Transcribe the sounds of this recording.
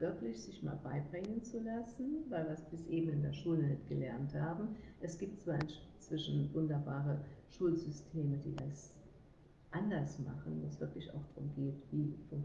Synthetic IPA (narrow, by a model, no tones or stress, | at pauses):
v̥ɪɐklɪçz̥ɪçma̰ːlbaɪbʁɪŋənt͡sulasn̩vaɪlviɐsb̥ɪsʔeːbm̩ɪndeːɐʃuːlənɪtɡ̥əlɛɐnthaːbm̩ʔɛsɡ̥iːp̚tt͡sv̥aːʔa̰ɪnʃt͡sv̥ɪʃn̩vʊndɐbaːʁəʃuːlzʏstʰeːmədḭːdas | ʔandɐsma̰χn̩voːsv̥ɪɐklɪça̰ʊxd̥ʁʊmɡeːtv̥iːfʊŋk